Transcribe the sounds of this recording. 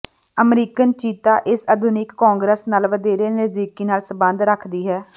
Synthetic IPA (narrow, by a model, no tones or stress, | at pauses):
əmɾiːkənt͡ʃiːt̪aːʔɪsəd̪ʱʊnɪkːɔːŋɡɾeːsnaːlʋəd̪eːɾeːnəzd̪iːkiːnaːlsəbə̃nd̪ɾəkʰd̪iːɦɛː